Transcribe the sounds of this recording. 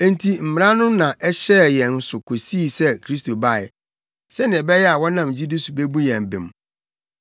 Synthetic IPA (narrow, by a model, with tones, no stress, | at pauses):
e˦n̩tʰi˨m̩˨mɪ˨ɾã˦nʊ̃˦nã˨ʔɛ˦ɕɛː˦˨jɛ̃˨n̩˨sʊ˨kʰo˨siː˦˨sɛ˦kʰɾi˦s̬tʰo˨ba˦˨ɪ̰˨ | sɛ˦nɪ̃˨ɛ˨bɛ˦jɛ˦a˨wɔ˦nã˨md͡ʑi˦du˦su˨be˦bu˦jɛ̃˨m˨bɪ̰̃˨m